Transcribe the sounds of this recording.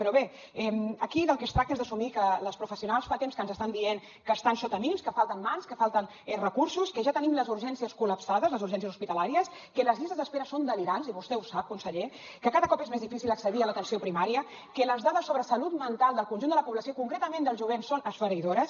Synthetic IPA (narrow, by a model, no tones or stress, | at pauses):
pɾɔβe | ɛməkiðəlˠkəst̪ɾak̚t̪əezðəsumikələspɾufəsiunalˠsfat̪emskənzəst̪and̪ieŋ | kəst̪ansot̪əmiimskəfalˠt̪ənmanskəfalˠt̪ən | ɛrəkuɾsuskəʒat̪ənimləzuɾʒɛnsiəskuləpsaðəzləzuɾʒɛns̬iəsuspit̪əlaɾiəs | kələzisəzðəspeɾəsond̪əliɾanziβust̪ɛusap̚kunsəʎe | kəkaðəkɔpezmezðifisilˠd̪əksəðiələt̪ənsiopɾimaɾiə | kələzðaðəsːoβɾəsɐlut̪mənt̪alˠd̪əlˠkunʒund̪ələpuβləsiokuŋkɾet̪əmend̪əlˠzʒuβ̞ensonəsfəɾiðoɾəs